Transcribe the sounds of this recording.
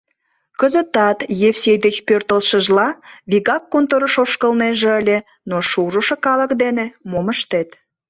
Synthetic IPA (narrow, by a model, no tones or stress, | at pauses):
kəzə̆t̪ɑt̪jefsʲejd̪et͡ɕpørt̪əlʃəʒlɑβiɣɑkːont̪oɾəʃoʃkəlneʒeəlʲe | noʃuʒuʃə̆kɑləkd̪enemoməʃt̪et̪